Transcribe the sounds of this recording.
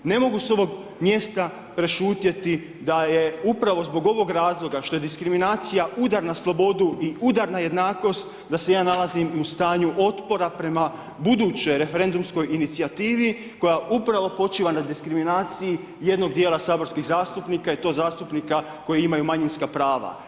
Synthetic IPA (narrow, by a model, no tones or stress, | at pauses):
ne̞mo̞ɡuso̞ʋo̞ɡ | mje̞st̪a | pɾe̞ʃuːt̪je̞t̪i | d̪aje̞upɾaʋo̞zbo̞ɡo̞ʋo̞ɡɾaːzlˠo̞ɡaʃt̪o̞je̞d̪iskɾiminaːt̪sijaud̪aɾnaslˠo̞bo̞d̪uiud̪aɾnaje̞d̪naːko̞st̪ | d̪ase̞jaːnalazimust̪aːɲuʔo̞t̪po̞ɾapɾe̞ma | bud̪uːt͡ɕo̞jɾe̞fe̞ɾe̞nd̪umsko̞jinit̪siat̪iːʋi | ko̞jaʔupɾaʋo̞po̞t͡ʃiːʋanad̪iskɾiminaːt̪siji | je̞d̪no̞ɡ̚d̪jeːlˠasaːbo̞ɾskiɣzaːst̪upnikait̪o̞ːzaːst̪upnika | ko̞jiimajumaɲinskapɾaːʋa̰